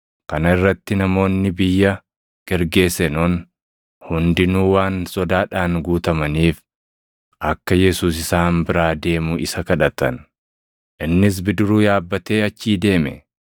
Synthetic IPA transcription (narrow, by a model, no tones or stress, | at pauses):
kɐnɐɪrːɐt̪ːɪnɐmo̞ːnːɪbɪjːɐ | ɡ̥ɛɾɡe̞ːsɛnoːn | hʊnd̪ɪnuːwaːnsɔd̪aːᶑaːŋɡuːt̪ɐmɐniːf | ʔɐkːɐjɛsuːs̬ɪsaːmbɪɾaːd̪e̞ːmʊʔɪsɐkɐᶑɐt̪ɐ̰n | ʔɪnːɪs̬bɪd̪ʊɾuːjaːbːɐt̪e̞ːɐt͡ʃːiːd̪e̞ːmɛ̰